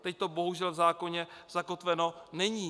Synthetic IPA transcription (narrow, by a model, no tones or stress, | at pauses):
t̪ɛc̚t̪o̞bo̞ɦuʒɛlvzaːko̞ɲɛz̥ako̞t̪vɛno̞nɛɲiː